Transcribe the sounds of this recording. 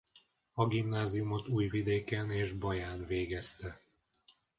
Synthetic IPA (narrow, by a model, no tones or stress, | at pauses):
ɒɡimnaːzijumo̞t̪uːjvid̪eːkɛneːʒbɒjaːnveːɡɛst̪ɛ